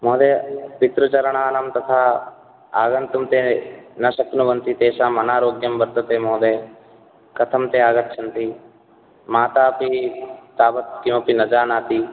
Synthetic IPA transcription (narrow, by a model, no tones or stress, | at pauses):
moːd̪eːpit̪ɾut͡ʃɐɾɳ̃aːnɐmt̪ɐt̪ʰaː | aːɣɐnt̪umt̪eːnɐʃɐknuʋɐnt̪it̪eːʃaːmɐnaːɾoːɡjɐmbɐɾd̪ʱɐt̪eːmoːd̪eː | kɐt̪ʰɐmt̪eːaːɡɐt̪ːʃʰɐnt̪i | maːt̪aːpit̪aːbɐt̪kimɐpinɐd͡ʒaːnaːt̪i